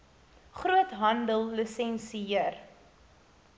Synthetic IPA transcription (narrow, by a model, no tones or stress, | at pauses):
χɾuətɦɐndəlˠːisɛnsiiər